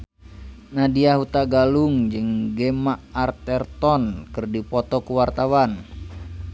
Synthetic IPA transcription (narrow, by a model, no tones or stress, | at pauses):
nadiaɦut̪aɡaluŋd͡ʒɨŋɡɛmaʔart̪ɛrt̪ɔnkɨrdipɔt̪ɔkuwart̪awan